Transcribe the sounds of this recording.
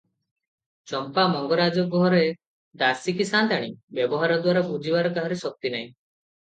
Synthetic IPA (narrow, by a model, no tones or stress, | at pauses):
t͡ʃɔmpamɔŋɡɔɾad͡ʒɔɡɔɾe | d̪asikisãt̪aɽ̃ibjɔbɔɦaɾɔd̪waɾabud͡ʒibaɾɔkaɦɔɾesɔk̚t̪inaĩ